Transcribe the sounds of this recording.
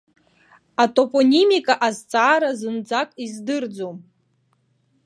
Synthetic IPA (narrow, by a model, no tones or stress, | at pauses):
atʼo̞pʼonʲimikʼaʔazt͡sʼaːɾazɨnd͡zakʼizdɨrd͡zom